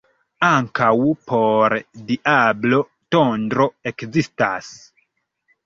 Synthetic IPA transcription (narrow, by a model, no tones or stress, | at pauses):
aŋkawpʰo̞ɾdiʔablo̞ | tondɾo̞e̞kzista̰s